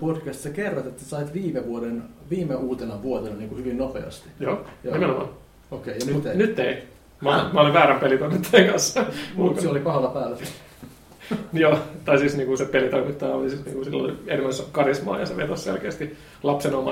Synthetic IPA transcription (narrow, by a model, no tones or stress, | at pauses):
podkæst̪sekerːɑt̪et̪ːæsɑit̪ʋiːmeʋuoden | ʋiːmeuːt̪enɑʋʋuot̪enɑniːŋkuhyʋinnopḛɑ̰st̪i̥joːnimenomɑ̰ːn | okeɑnyt̪nyt̪ːei | mæolimæoliʋʋæːɾæmpelit̪oimit̪ːɑjeŋkɑnsːɑmut̪seolipɑhɑlɑpæːlːæsi | joːt̪ɑisiːsniːŋkusepelit̪oimit̪ːɑjolisiːsnḭːŋkusilːo̰lienemːæskɑrismɑ̰ːjɑseʋḛt̪ossḛlkeːst̪i | lɑpsenomɑ